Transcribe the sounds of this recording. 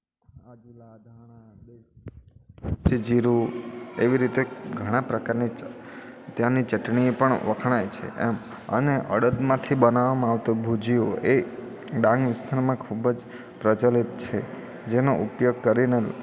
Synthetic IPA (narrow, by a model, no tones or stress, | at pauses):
ad͡ʒulad̪ʱañabe | sid͡ʒiɾueʋiɾit̪eɡʱəɽ̃ãpɾəkaɾni | t̪jãnit͡ʃəʈɳiẽpəɳʋəkʰɽ̃ajt͡ʃʰḛʔem | ə̰neʔə̰ɽəd̪mãt̪ʰibənaʋamãːʋt̪obʱud͡ʒioe | ɖãŋɡʋɪst̪ʰaɾmãkʰubəd͡ʒ | pɾət͡ʃəlit̪̚t͡ʃʰe | d͡ʒenoʔupjoɡ̚kəɾine